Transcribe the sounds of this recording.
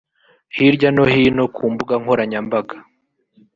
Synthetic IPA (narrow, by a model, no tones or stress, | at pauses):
hiɾɟano̞hino̞kʰuːmbuɡaŋhoɾaɲambaɡḁ